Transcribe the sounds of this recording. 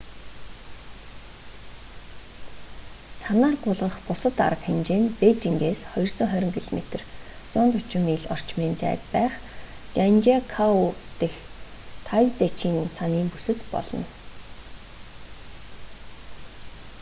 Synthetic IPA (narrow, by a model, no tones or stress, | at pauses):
sʰanaːrɢʊɮʁə̆χpʊsə̆t̪a̰ɾə̆kxemt͡ɕeːnpet͡ɕiŋɡeːsχɔjɞ̆r̥t͡sɞ̆ŋχœɾʲɪ̆ŋɡeɮmet̪ɘ̆r | t͡sʊːnt̪ʊt͡ɕɪ̆miːɮɔ̰r̥t͡ɕmiːnt͡sæ̰ːt̪pæːχ | t͡ɕant͡ɕakʰaut̪ext̪ʰajt͡set͡ɕiːnt͡sʰaniːmpusɘ̆t̪pɔ̰ɮɞ̆n